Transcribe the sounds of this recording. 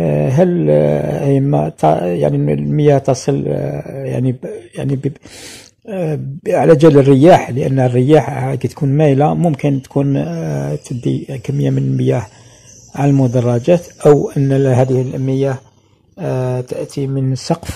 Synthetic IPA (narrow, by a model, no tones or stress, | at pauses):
ɦælhimæ̰t̪ɑja̰ʕniməjæht̪ɑsˤəlja̰ʕnijaʕnib | ʕalæd͡ʒælərːəjæħləʔə̰nːərːəjaħkæt̪kunmæjlamʊmkənt̪kʰunt̪əd̪ḭkæmːəjːamənəlməjæħ | ʕaləlmʊd̪ɑrˤːɑd͡ʒæt̪ʔəwʔənːhæd̪əhəlmːəjæh | t̪əʔt̪imənsˤɑqf